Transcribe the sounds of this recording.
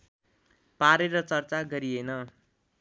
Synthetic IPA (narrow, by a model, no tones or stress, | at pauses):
paɾeɾʌt͡sʌrt͡saɡʌɾienʌ